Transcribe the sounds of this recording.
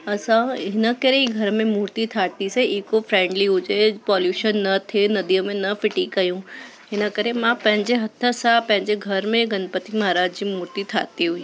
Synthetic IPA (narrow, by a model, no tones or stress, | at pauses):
ɐsãɦɪnəkəɾeiɡʱɐɾmẽmuːɾt̪it̪ʰaːt̪iseiːkofɾẽːɳɖliɦʊd͡ʑepɔːljuːʃənːɐt̪ʰenɐd̪iəmẽnɐfɪʈikɐjũ | ɦɪnəkəɾemãpɐ̃ɦɪ̃ɲd͡ʑeɦɐt̪ʰːəsãpɐ̃ɦɪ̃ɲd͡ʑeɡʱɐɾmẽɡɐnpət̪imɐɦaɾaːd͡ʑd͡ʑiːmuːɾt̪it̪ʰa̰ːt̪iɦʊiː